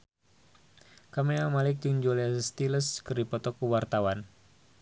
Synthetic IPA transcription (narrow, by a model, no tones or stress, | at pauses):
kamiamalɪk̚dəŋd͡ʒolast̪iləskərdipɔt̪ɔkuwart̪awan